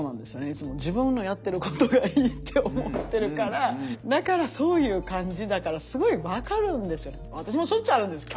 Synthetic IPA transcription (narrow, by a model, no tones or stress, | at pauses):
oːnã̰nd̪e̞sɨjo̞neit͡sɨmo̞d͡ʑibɯ̟̃nːo̞jat̪ːe̞ɾɯ̟ko̥t̪o̞ɡaiːt̪ʰːeomot̪ːe̞ɾɯ̟kaɾad̪akaɾaso̞ːjɯ̟ːkãɲ̟d͡ʑid̪akaɾasɨɡo̞iβakaɾɯ̟̃nd̪e̞sɨjo̞neβat̪aɕ̬imo̞ɕoit͡ɕiaɾɯ̟nd̪esɨ̥kʲo